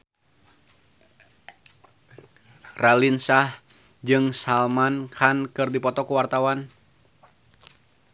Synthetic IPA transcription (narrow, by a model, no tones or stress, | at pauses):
ralinsah | d͡ʒɨŋsalmankʰankɨrdipɔt̪ɔkuwart̪awan